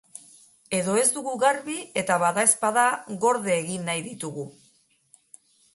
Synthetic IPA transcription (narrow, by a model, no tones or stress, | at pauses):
e̞ðo̞e̞zd̪uɣuɣaɾβie̞t̪aβaðae̞spaðaɣo̞ɾð̞eːɣinːajðit̪uɣu